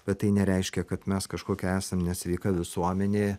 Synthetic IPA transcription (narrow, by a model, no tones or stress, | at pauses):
b̥ʲɛt̪t̪ːɐɪnʲɛɾʲɛɪʃʲkʲɛkɐt̪mʲɛskɐʃkoːkʲɛæːsɐmnʲɛsʲʋʲɛɪkɐʋʲɪsuɔmʲɛnʲeː